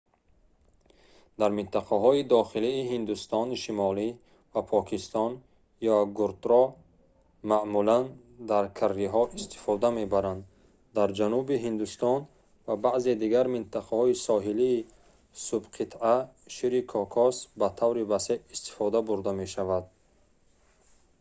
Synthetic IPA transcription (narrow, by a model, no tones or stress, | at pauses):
d̪aɾmint̪ʰaqʰaɦɔid̪ɔχiliːɦind̪ust̪ɔniʃimɔli | vapʰɔkʰist̪ɔn | jaɡuɾt̪ɾɔ | maʔmulan | d̪aɾkʰarːiɦɔʔist̪ʰi̥fɔd̪ame̞baɾand̪ | d̪aɾd͡ʒanubiɦind̪ust̪ɔn | vabaʔze̞d̪iɡaɾmint̪ʰaqʰahɔisɔɦiliː | subqʰit̪aʃiɾikʰɔkʰɔsbat̪ʰavɾivaseist̪i̥fɔd̪abuɾd̪ame̞ʃavad̪̚